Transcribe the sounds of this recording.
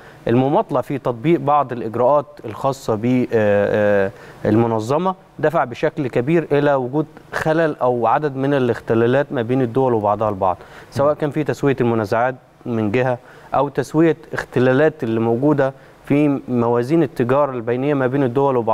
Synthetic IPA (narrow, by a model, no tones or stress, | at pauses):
ʔelmomɑt̪ˤlɑʕfit̪ɑt̪ˤbiːʔbɑʕd̪ˤelʔeɡɾæʔɑːt̪elxɑːsˤːɑbi | ʔelmonɑzˤːɑmɑ | d̪æfaʕbeʃæklkæbiːɾʔelæwʊɡuːd̪ | xælælʔæwʕad̪æd̪menelext̪elæːlæːt̪mæbeːned̪ːowælwebɑʕd̪ˤɑhɑlbɑ̰ʕd̪ˤsæwæːʔkæːnfiːt̪æswɪjælmonæzaʕaːt̪̚ | mɪnɡeɦæ | ʔæwt̪æswɪjæext̪elæːlæːt̪elːimowɡuːd̪æ | fimæwæːziːnet̪ːeɡɑːɾˤɑlbæjnejːæmæbeːned̪ːowælwebɑʕ